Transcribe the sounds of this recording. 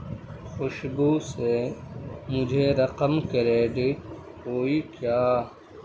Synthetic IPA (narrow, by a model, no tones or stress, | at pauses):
xʊʃbuːse | mʊd͡ʒʱeɾɐqəmkɐɾeːɖiʈ̚ | ɦoːikjaː